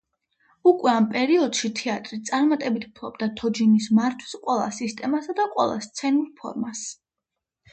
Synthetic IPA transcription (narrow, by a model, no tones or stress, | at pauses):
ukʼwɛampʼɛɾiɔd̪̥ʃit̪ʰɛat̪ʼɾit̪sʼaɾmat̪ʼɛbit̪ʰu̥pʰlˠɔbd̪at̪ʰɔd͡ʒinismaɾt̪ʰwi̥sqʼwɛlˠa̰sist̪ʼɛmasad̪aqʼwɛ̰lˠa̰st̪sʰɛnuɾpʰɔ̰ɾmas